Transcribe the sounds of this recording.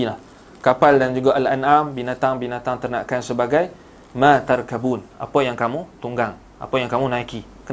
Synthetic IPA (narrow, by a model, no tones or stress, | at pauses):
la | kapaldand͡ʒuɡaʔalanambinat̪aŋbinat̪aŋt̪ərnakansəbaɡaj | mat̪arkabunʔa̰pəjaŋkamũt̪uŋɡaŋ | ʔa̰pəjaŋkamũnãiki | k